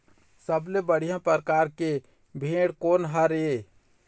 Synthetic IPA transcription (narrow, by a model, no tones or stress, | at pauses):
səblebəɽ̤ijãpəɾkaɾke | bʱeɽkonɦəɾe